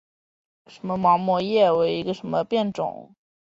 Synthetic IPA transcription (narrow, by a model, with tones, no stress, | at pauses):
ʂə˧˥nmə˧mɑ˧˥ŋmwɔ˥jɛ˥˩we˧˥ɪi˧˥ɡə˧ʂə˧˥nmə˧pjɛ˥˩nʈ͡ʂʊ̰˨˩˦ŋ